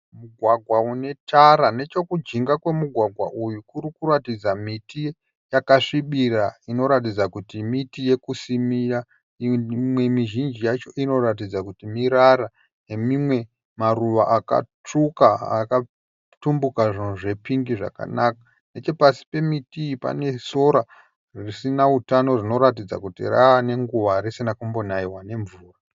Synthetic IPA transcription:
muɡʱwaɡʱwaune̞taɾane̞t͡ʃo̞kud͡ʒiŋɡakwe̞muɡʱwaɡʱwa̰ʔujukuɾikuratid͡zamiti | jakaʂiɓiɾaino̞ɾat̬id͡zakutimitije̞kusimija | imwe̞miʒind͡ʒijat͡ʃo̞ʔino̞ɾat̬id͡zakutimiɾaɾa | ne̞mimwe̞ | maruʋaʔaka̰ | t͡ʂukaa̰ka | tumbukaʐinuʐe̞piŋɡiʐa̰ka̰nakḁ | ne̞t͡ʃe̞pasi̥pe̞mitiːpa̰ne̞so̞ɾa | rrisinautano̞rino̞ɾatid͡za̰kutḭra̰ane̞ŋɡuʋaɾisinakumbonaiwane̞ɱvuːra

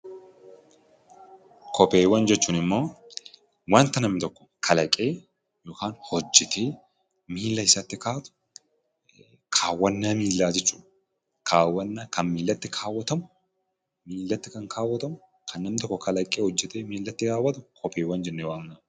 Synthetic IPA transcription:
kʰɔpeːwɐnd͡ʒɛt͡ʃːuːnɪmːo̞ː | want̪ɐnɐmːɪt̪ɔkːɔ̥kʰɐlɐkʼe̞ː | joːkaːnhɔd͡ʒːɛt̪ʰe̞ː | miːlːɐɪsɐt̪ːɪkaːt̪ʊ̥ | kʰaːwːɐnːaːmiːlːaːd͡ʒɛt͡ʃːuːᶑɐ | kʰaːwːɐnːaːkɐnmiːlːɐt̪ːɪkʰaːwːɐt̪ɐmʊ | miːlːɐt̪ːɪkɐŋkʰaːwːɐt̪ɐmʊ | kʰɐnːɐmɪt̪ɔkːɔkɐlɐkʼːeːhɔd͡ʒːɛt̪eːmiːlːɐt̪ːɪkaːwːɐt̪ʊkʰɔpeːwɐnd͡ʒɛnːɛwaːŋnɐ

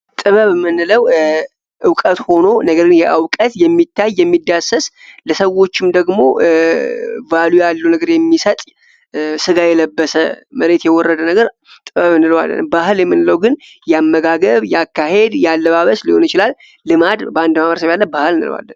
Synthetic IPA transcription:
t̪ʼɨβəβmɨnːɨləw | ʔɨwkʼət̪ho̞no̞nəɡəɾɡɨnjɛʔawkʼət̪jɛmːit̪ʰːajːɛmːid̪asəsləsəwːo̞t͡ʃːɪmd̪əɡmo̞̰ | valujalːunəɡəɾjɛmːisət̪ʼ | sɨɡajɛləbːəsə̰məɾe̞t̪jɛwɔrːəd̪ənəɡəɾ | t̪ʼɨβəβɨnɨləwa̰lːə̰nmbahɨljɛmːɨnːɨləwɡɨn | jɛamːəɡaɡəβjakːahe̞d̪jalːəβaβəsliho̞njɪt͡ʃɪlalː | ɨmad̪bəand̪maβəɾsəβjalːəbahɨlɨnɨ̰lə̰wa̰lːən

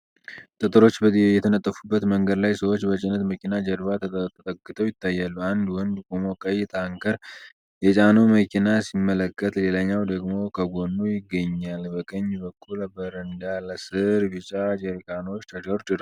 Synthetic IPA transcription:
t̪ʼət̪ʼɨɾo̞t͡ʃːbəjɛt̪ʰənət̪ʼːəfubːət̪məŋɡəd̪lajsəwo̞t͡ʃːbət͡ʃʼɪnət̪məkʰinad͡ʒəɾβat̪ʰət̪ət̪ʼəkʼːɨt̪ʰəwjɪt̪ʰːajːalːuand̪wɔnd̪kʰʼomo̞kʼəjːt̪ʰaŋkʰəɾ | jɛt͡ʃʼanoməkʰinasimːələkːət̪le̞laɲːawd̪əɡmo̞kʰəɡo̞nːojɪɡːəɲːalbəkʼəɲːbəkʰːulbəɾɨnd̪alsɨɾbɨt͡ʃʼad͡ʒəɾkano̞t͡ʃːt̪ʰəd̪əɾd̪ɨɾ

